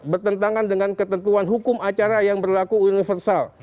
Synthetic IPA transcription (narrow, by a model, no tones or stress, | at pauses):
bərt̪ənt̪aŋandəŋankət̪ənt̪uanɦukʊmat͡ʃaɾajaŋbərlakuːnifərsal